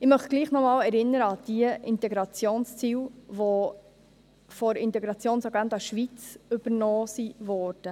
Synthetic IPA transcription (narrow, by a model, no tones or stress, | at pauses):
ɪmœχtɡ̥liːχnɔmɑːlɛɾɪnːəɾəɑd̥iəɪnt̪ɛɡɾɑt͡sjoːnst͡siːwʋɔ | fɔɾɪnt̪ɛɡɾɑt͡sjoːnsɑɡɛnd̪ɑʃʋit͡sʏb̥əɾnɔːsivɔːɾd̥ə